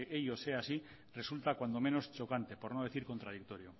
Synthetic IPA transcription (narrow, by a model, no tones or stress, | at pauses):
ʔeʎo̞seasi | re̞sult̪akwand̪ome̞no̞st͡ʃo̞kant̪e̞po̞ɾnoð̞e̞θiɾko̞nt̪ɾað̞ik̚t̪o̞ɾjo